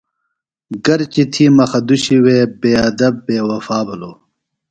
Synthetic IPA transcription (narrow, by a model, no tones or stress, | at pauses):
ɡɐɾt͡ɕit̪ʰiːmɐxɐd̪uɕiweːbeːɐd̪ɐbːeːwɐfaːbɐloː